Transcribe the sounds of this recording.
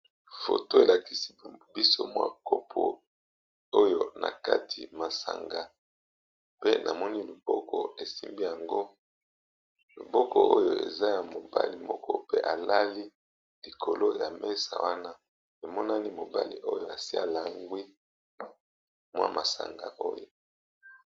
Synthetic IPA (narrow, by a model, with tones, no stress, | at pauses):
fo̰˨to˦e˨la˨ki˦si̥˦bi˦so˦mwa̰˦ko˦pʰo˨ | o˦jo˦na̰˨ka˦tʰi˨ma˨sa˨ŋɡa˨ | pe˦nʔa˨mɔ˦ni˦li˨bɔ˦kɔ˨e˨si˦mbi˦ja˨ŋɡo˦ | lo˨bɔ˦kɔ˦˨ʔo˦jo˨ḛ˨za˦ja˨mo˨ba̰˦li˨mɔ˦kɔ˦pe˦ʔa˨la˦li˦ | li˨kʰo˨lo˦ja˨mɛ˦sa̰˨wa˦na˦ | e˨mɔ˦na˦ni˦mo˨ba˦lḭ˨ʔo˦jo˦˨a˨si˦a˨la˨ŋɡwi˦ | mwa̰˦ma˨sa̰˨ŋɡa̰˨ʔo˦jo˨